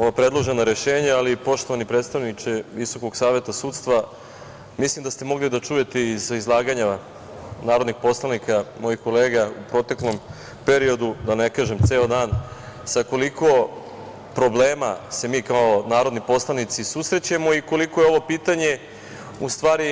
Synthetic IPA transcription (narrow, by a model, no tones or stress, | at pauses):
o̞ʋapɾe̞d̪lˠo̞ʒe̞noɾe̞ʃe̞ːɲaalipo̞ʃt̪o̞ʋanipɾet̪st̪aʋnit͡ʃeʋiso̞ko̞ɡsaːʋe̞t̪asuːt̪st̪ʋa | mislimd̪ast̪e̞mo̞ɡlid̪at͡ʃuːje̞t̪eizizlˠaːɡaɲa | naːɾod̪nixpo̞slˠanikamo̞jixko̞leːɡaupɾo̞t̪e̞klˠo̞m | pe̞ɾio̞d̪ud̪anekaːʒemt̪se̞ːod̪aːnsako̞likʰo̞ | pɾo̞bleːmase̞miːkaonaːɾo̞d̪nipo̞slˠanit̪sisusɾe̞t͡ɕamo̞iko̞likojeo̞ʋo̞piːt̪aɲe | ust̪ʋaːɾi